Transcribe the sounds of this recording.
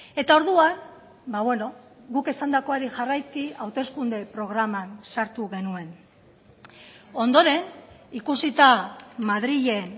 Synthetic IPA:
e̞t̪ao̞ɾðuan | baβweno̞ɣuke̞sand̪ako̞aɾiʝarajkiawt̪e̞skund̪e̞pɾo̞ɣ̞ɾamansaɾt̪uɣe̞nue̞n | o̞nd̪o̞ɾe̞nikusit̪amaðɾiʎe̞n

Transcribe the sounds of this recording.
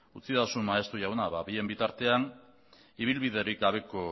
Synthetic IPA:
ut͡sit̪asunmaest̪uʝawnaβaβie̞mbit̪aɾt̪e̞an | iβ̞ilβiðe̞ɾik̚ɡaβe̞ko̞

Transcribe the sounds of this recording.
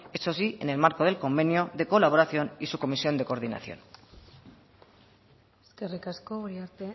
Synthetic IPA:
esos̬ie̞̰ne̞lmaɾko̞ð̞e̞lko̞mbe̞njoðeko̞laβ̞o̞ɾaθjo̞nisuko̞misijo̞nd̪e̞ko̞ɾð̞ina̰θjo̞̰n | eske̞rikaskooɾiaɾt̪e

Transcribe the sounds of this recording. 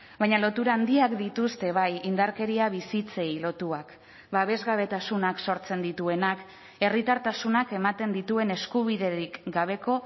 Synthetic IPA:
bajɲalo̞t̪uɾaːnd̪iakd̪it̪ust̪e̞βajind̪aɾke̞ɾiaβisit͡se̞jlo̞t̪uak | βaβe̞zɣaβ̞e̞t̪asunakso̞ɾt͡se̞nd̪it̪ue̞nak | e̞rit̪aɾt̪asunake̞mat̪e̞nd̪it̪ue̞ne̞skuβ̞iðe̞ɾikɡaβ̞e̞ko̞

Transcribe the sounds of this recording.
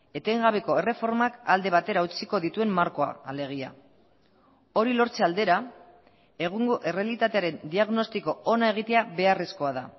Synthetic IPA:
e̞t̪e̞ŋɡaβe̞ko̞e̞re̞fo̞ɾmakald̪e̞β̞at̪e̞ɾaut͡siko̞ðit̪ue̞mːaɾko̞a̰ːle̞ɣ̞ia̰ | o̞ɾilo̞ɾt͡seald̪e̞ɾa | e̞ɣ̞uŋɡo̞ʔe̞re̞alit̪at̪e̞aɾe̞nd̪iaɣno̞st̪iko̞onae̞ɣ̞it̪e̞aβe̞aresko̞aða

